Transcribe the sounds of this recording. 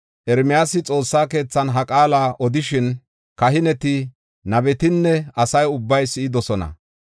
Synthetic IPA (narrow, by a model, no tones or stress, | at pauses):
ʔɛɾmɪjaːsɪt͡sʼo̞ːsːaːke̞ːt͡sːɐnɦɐkʼaːlaːʔɔd̪ɪʃɪn | kɐɦɪnɛt̪ɪ | nɐbɛt̪ɪnːɛɐsɐjʊbːɐjsɪɪd̪ɔsɔnɐ̰